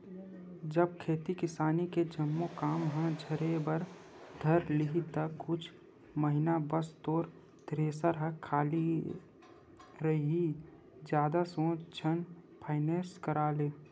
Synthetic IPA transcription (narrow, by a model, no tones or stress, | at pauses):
d͡ʒəb̚kʰeːt̪ikɪsaːniked͡ʒəmːokaːmɦə̃d͡ʒʱəɾebəɾ | d̪ʱɐɾliɦit̪əkʊt͡ʃʰ | məɦɪnabəst̪oːɾ | d̪̥ɾeːsaɾəkʰaːli | ɾəɦi | d͡ʒjaːd̪asõːt͡ʃʰənpʰaːɪneːɾskəɾaːleː